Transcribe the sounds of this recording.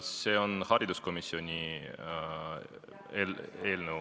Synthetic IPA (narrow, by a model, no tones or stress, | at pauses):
se̞ːo̞nhɑɾid̪̥usko̞misjo̞nʲi | eleːlnəw